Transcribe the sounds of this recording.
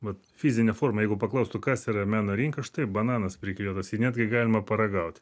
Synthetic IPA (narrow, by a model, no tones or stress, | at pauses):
ʋɐt̪fʲizʲɪnʲɛfoːrmɐjɛɪɡʊpɐklˠɐʊst̪ʊkɑsiːɾɐmʲæːnoːɾʲiːŋkɐʃt̪ɐɪbɐnɑːnɐspʲɾʲɪkʲlʲiːd̪ɐsinʲæːd̪ʲɡʲɪɡɑːlʲɪmɐpɐɾɐɡɐʊt̪ʲ